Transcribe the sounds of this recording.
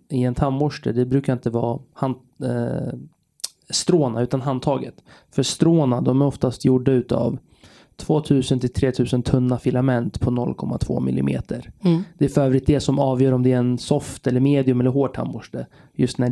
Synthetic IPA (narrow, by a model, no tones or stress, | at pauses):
ɪɛnt̪ʰamːʊʂʈəd̪ɛbɾʉ̟ːkaɾɪnt̪əvɑ̰ːhan | st̪ɾoːnaʉ̟ːt̪anɦand̪ʰɑːɡə̰t̪fœst̪ɾoːnad̪ɔmæɾɔft̪ast̪ʰjʊɖːaʉ̟ːt̪a̰v | t̪ʰv̥oːt̪ʰʉ̟ːsənt̪ʰɪlt̪ʰɾeːt̪ʰʉ̟ːsənt̪ʰɵnːafɪlamɛnt̪pʰɔnɔlːkʰɔmːa̰t̪ʰv̥o̰ːmɪ̰lːɪ̰mḛːt̪ʰəɾd̪ɛæɾfœɾœːvɾɪt̪̚d̪ɛsɔmɑːvjœːɾɔmd̪ɛæɾɛnsɔft̪ɛlːəɾmeːd̪ɪɵmɛlːəɾɦoːɖ̚ʈʰa̰mːʊʂʈə | jɵst̪næ